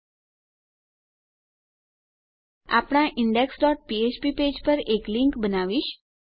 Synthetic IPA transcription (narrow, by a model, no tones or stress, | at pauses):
a̰pɽ̃ãʔɪɳɖeksɖɔʈ̚piet͡ʃpiped͡ʒpəɾekliŋkbənaʋiʃ